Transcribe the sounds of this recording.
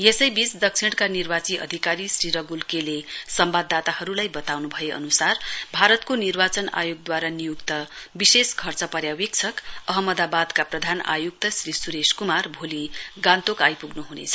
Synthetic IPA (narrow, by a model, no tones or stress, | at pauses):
jesʌjbisd̪ʌk̚t͡sʰiɽ̃kanirbat͡siʔʌ̰d̪ʱikaɾisriɾʌɡulkelesʌmbad̪ːat̪ahʌɾulajbʌt̪awnubʱʌjeʔʌ̰nusarbʱaɾʌt̪konirbat͡sʌna̰joɡ̚d̪waɾanijukt̪ʌbiseskʰʌrt͡sʌpʌɾjawik̚t͡sʰʌkʌɦʌmʌd̪abad̪kaprʌd̪ʱana̰juk̚t̪ʌsrisuɾeskumarbʱoliɡãnt̪okajpuɡnuɦunḛt͡sʰʌ